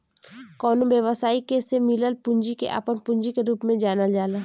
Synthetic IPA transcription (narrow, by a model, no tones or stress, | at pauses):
kɔːnõbjəʋəsaːikesemɪləlpʊ̃ɲd͡ʒikḛʔa̰ːpənpʊ̃ɲd͡ʒikeɾuːpmẽd͡ʒaːnad͡ʒaːla